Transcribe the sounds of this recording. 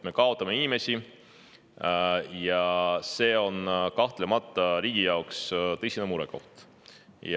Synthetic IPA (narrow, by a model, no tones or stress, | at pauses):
me̞kɑo̞t̪ːˑɑmeinime̞sʲi | jɑse̞ːo̞nkɑht̪le̞mɑt̪ːˑɑɾiːɡ̥ijɑokst̪ɤjsʲinemuɾɛko̞ht̪ | j